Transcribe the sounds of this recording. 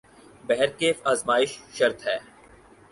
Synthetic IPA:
bɛɦɛɾkeːfaːzmaːɪʃʃɐɾt̪ɦɛː

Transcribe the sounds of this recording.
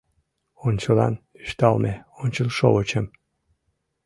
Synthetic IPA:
ont͡ɕəlɑ̰n | iʃt̪ɑlˠmeonʲt͡ɕəlˠʃoot͡ɕəm

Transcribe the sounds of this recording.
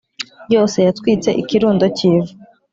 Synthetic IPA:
jo̞ːse̞jatkwiːt͡se̞ʔikiɾuːndo̞ciːvu

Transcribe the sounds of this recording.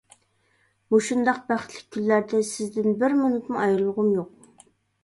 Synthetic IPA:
muʃund̪ɑq̚bæχt̪ʰlɪk̚ʲʰːylːæɾd̪ɛsɪzd̪ɪnbɪɾmynyt̪muɑjlˠːʊʁʊmjoq̚

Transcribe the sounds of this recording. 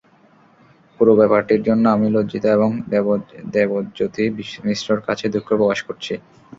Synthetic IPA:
puɾobɛpaɾʈiɾd͡ʑonːoamilod͡ʑit̪oeβoŋ | d̪ebod͡ʑot̪imisɾoɾkat͡ɕʰed̪ukʰːopɾokaʃkoɾt͡ɕʰi

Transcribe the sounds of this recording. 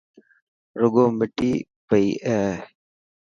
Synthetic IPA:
ɾʊɡoːmɪʈiː | pəiːʔeː

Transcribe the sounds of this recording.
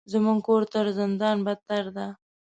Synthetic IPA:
zəmuŋɡkoɾt̪əɾzɪnd̪ɑnbat̪aɾd̪a

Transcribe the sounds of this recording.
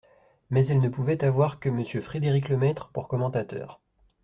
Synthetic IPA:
mɛzɛlnəpuvɛt̪avwaʁkəməsjøfχed̪eʁikləmɛt̪χəpuʁkɔmɑ̃t̪at̪œ̰ːʁ

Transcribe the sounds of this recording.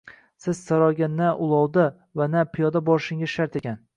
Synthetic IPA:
sɪz̥saɾɒɡʲanːaʔʊlˠɒwd̪a | vanapʰɪjɒd̪abɒɾʃɪŋaʃaɾt̪ʰekʲan

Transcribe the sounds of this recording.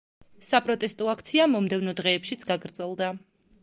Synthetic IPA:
sapʼɾɔt̪ʼɛst̪ʼɔakʰt̪sʰiamɔmd̪ɛvnɔd̪ʁɛːpʃit̪sʰɡaɡɾd̪zʼɛlˠd̪a

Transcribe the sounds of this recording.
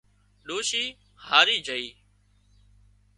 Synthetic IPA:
ɗoːʃiː | haːɾiːd͡ʒʱəiː

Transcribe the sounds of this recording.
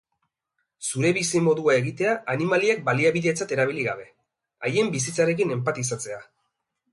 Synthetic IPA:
suɾe̞βisimo̞ðuae̞ɣit̪e̞aʔanimaliek̚baliaβiðet͡sat̪e̞ɾaβ̞iliɣaβe̞ | aje̞mbisit͡saɾe̞k̬ine̞mpat̪isat͡se̞a

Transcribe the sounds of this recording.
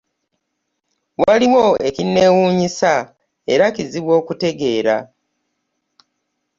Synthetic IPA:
waliwo̞e̞kinːe̞wuːɲisa | e̞ɾaciziβwo̞ːkute̞ɡe̞ːɾa

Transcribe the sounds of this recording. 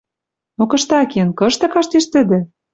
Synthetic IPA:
nokɤ̆ʃt̪ɑkenkɤ̆ʃt̪ɤ̆kɑʃt̪eʃt̪ə̆d̪ɘ̆

